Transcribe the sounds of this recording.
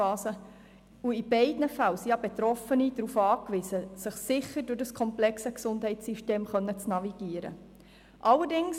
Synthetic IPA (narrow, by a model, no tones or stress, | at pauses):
ɑːsə | uibɛɪdnəfælsiɑbet̪ɾɔfənid̥ɾufɑːkʋɪsəsəχsɪχːəɾdʊrdəskʰɔmplɛksəksʊnd̥ɦɛɪtt͡sːiʃteːmχœnːət͡snɑviɡ̥iəɾə̰ | ʔɑlːərdɪŋs